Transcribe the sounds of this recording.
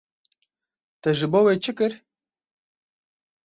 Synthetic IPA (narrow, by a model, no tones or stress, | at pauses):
t̪ɛʒɨbowet͡ʃʰɨkɨɾ